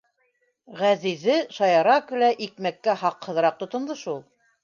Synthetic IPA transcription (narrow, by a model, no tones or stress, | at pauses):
ʁæzizɘʃɑjɑɾɑkʉ̆læʔikmækːæhɑqhɤ̆ðɤɾɑq̚t̪ŏt̪ŏmd̪ɤʃulˠ